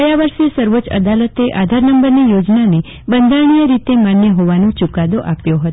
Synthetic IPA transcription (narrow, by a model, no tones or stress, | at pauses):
əjaʋəɾʃesəɾʋot͡ʃə̰d̪alət̪eʔad̪ʱaɾnəmbəɾnijod͡ʒnane | bənd̪ʱaɽ̃ijəɾit̪emanjəɦoʋanõt͡ʃukad̪oʔapjoɦət̪o